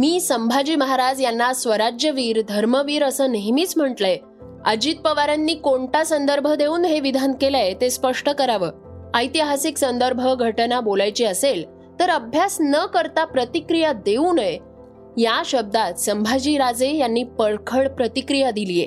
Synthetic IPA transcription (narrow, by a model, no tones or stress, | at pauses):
miːsəmbʱad͡ʑiːməɦaɾad͡zjanːasʋəɾad͡ʑjəʋiːɾd̪ʱəɾməʋiːɾəsəːneɦmiːt͡sm̤əʈləe | əd͡ʑiːt̪̚pəʋaɾanːiːkoɳʈasənd̪əɾbʱəd̪ʱeuːnɦeʋid̪ʱan̚kelaet̪espəʂʈəkəɾaʋəː | əjt̪iɦasiksənd̪əɾbʱəɡʱəʈənabolajt͡ɕiəsel | t̪əɾəbʱjasnəkəɾt̪apɾət̪ikɾijad̪euːnəj | jaɕəb̚d̪at̪səmbʱad͡ʑiːɾad͡zejanːiːpəɭkʰəɭpɾət̪ikɾijad̪ilije